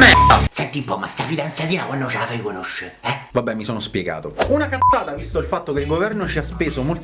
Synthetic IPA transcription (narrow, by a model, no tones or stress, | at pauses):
mesɛnt̪iumpɔma̰st̪afid̪ant̪sjat̪iːnakwanːot͡ʃafeikonoʃːeɛvabːɛmːisoːnospjeɡa̰ːt̪ounakansaːt̪avist̪oilfat̪ːokeilɡovɛrnot͡ʃiaspeːzomolt̪